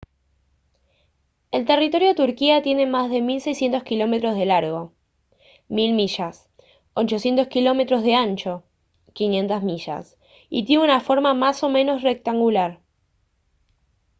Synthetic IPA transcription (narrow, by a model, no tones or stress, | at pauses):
e̞lt̪e̞rit̪o̞ɾjot̪uɾkiat̪je̞ne̞mazðe̞milse̞jsje̞nt̪oskilo̞me̞t̪ɾozðe̞laɾɣo̞ | milmiʃas | ot͡ʃo̞sje̞nt̪o̞skilo̞me̞t̪ɾo̞zðeant͡ʃo̞ | kinje̞nt̪azmiʃa̰s | it̪jenunafo̞ɾmamaso̞mẽ̞no̞srek̚t̪aŋɡulaɾ